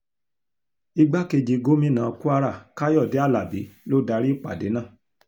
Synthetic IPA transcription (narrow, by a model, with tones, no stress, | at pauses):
i˧ɡ͡ba˦ke˧d͡ʒi˧ɡo˦mĩ˦˨nã˨˧ku˦a˧ɾa˦˨ka˦jɔ˦˨de˨˦a˦˨la˨bi˨˦lo˦da˧˦ɾi˦˨k͡pa˨de˨˦nãː˦˨